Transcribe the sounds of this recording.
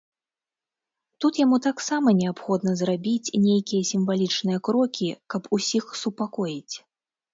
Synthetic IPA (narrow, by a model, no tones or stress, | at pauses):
t̪ut̪jamut̪aksamɐnʲɛapxɔd̪nɐzrabʲit͡sʲnʲejkʲijɛsʲimvalʲit͡ʂnɨjɐkɾɔkʲikɐpʰusʲixsupakɔjit͡sʲ